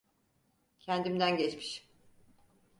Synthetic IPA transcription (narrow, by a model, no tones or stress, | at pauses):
cʰɛnd̪imd̪ænɟɛt͡ʃmi̥ʃ